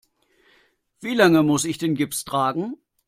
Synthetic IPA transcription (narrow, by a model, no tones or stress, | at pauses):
v̥iːlaŋəmʊsɪçd̥eːnɡɪpstʁ̥aːɡŋ̩